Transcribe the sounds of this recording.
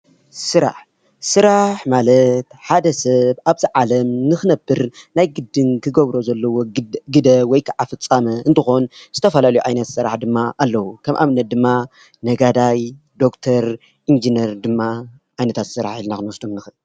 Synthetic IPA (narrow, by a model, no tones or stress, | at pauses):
sɨɾa̰ħ | sɨɾaħmalɐt̪ħad̪ɐsɐβaβziʕalɐmnɨxɨnɐbɨɾnajɡɨd̪ːɨnkʰɨɡɐβɾo̞zɐlːɐwo̞ɡɨd̪ɐwɔjkʰaʕafɨt͡sʼːamɐʔɨnt̪ʰɨxo̞nzɨt̪ʰɐfɐlalɐjuʕajnɐt̪sɨɾa̰ħd̪ɨmːaʔalːɐwukʰɐmʔa̰βnɐt̪̚d̪ɨmːa | nɐɡad̪aj | d̪o̞kt̪ʰɐɾ | ʔind͡ʒinɐɾd̪ɨmːa | ʔajnɐt̪ʰat̪sɨɾa̰ħilnakɨnwɔsd̪umnɨxɨʔɨl